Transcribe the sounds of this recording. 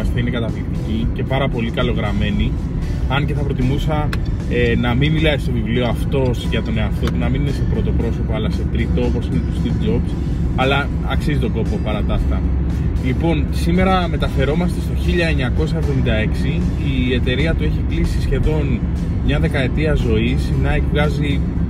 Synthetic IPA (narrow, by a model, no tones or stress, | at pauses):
ɐst̪iine̞kɐt̪ɐplikt̪icice̞pɐɾɐpo̞likɐlo̞ɣɾɐme̞ni | ɐnce̞θɐpɾo̞t̪imusɐ | nɐminmilɐist̪o̞vivlioɐft̪o̞sʝɐt̪o̞ne̞ɐft̪o̞punɐmininese̞pɾo̞t̪o̞pɾo̞so̞poɐlɐse̞t̪ɾit̪o̞opo̞sinet̪ust̪itd͡ʒo̞ps | ɐlɐ | ɐksizit̪o̞ko̞po̞pɐɾɐt̪ɐst̪ɐ | lipo̞nsime̞ɾɐme̞t̪ɐfe̞ɾo̞mɐst̪e̞st̪o̞çiʎɐe̞ɲɐko̞s̬ɐe̞vðo̞mind̪ɐe̞ksiː | e̞t̪e̞ɾiɐt̪ue̞çiklisisçe̞ðo̞n | mɲɐðe̞kɐe̞t̪iɐzo̞isnɐekvɣɐzi